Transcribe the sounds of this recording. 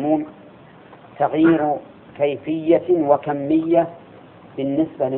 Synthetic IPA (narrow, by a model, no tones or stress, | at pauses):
muːn | t̪aɣjiːɾ | kajfɪjːawakamːɪjːa | bɪnːɪsbalɪ